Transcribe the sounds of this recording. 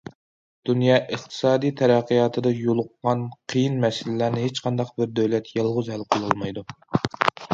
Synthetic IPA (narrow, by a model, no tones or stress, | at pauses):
d̪̥unjɑːʔəχt̪ʰɨ̥sɑːd̪ijt̪ʰɛɾæqːijɑːt̪ʰɨd̪ɑjolˠʊqːɑnqʰijinmɛsɪlɪlæɾnɪɦet͡ʃqʰɑnd̪ɑq̚bɪɾd̪øwlɛt̪jɑlˠʁʊzɦælqʰəlˠulˠmɑjd̪u